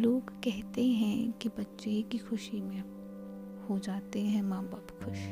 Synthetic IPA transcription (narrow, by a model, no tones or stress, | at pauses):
loːɡkɛɦt̪eɦɛ̃kebɐtːʃekixʊʃimẽ | hod͡ʒaːt̪eɦɛ̃mãːbaːbxʰʊʃ